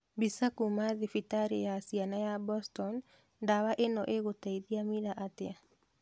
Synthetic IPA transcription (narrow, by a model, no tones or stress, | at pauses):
bisakumaðifitaɾejasianajabɔstɔn | dawaʔenɔʔeɣotaiðiamiɾaʔatea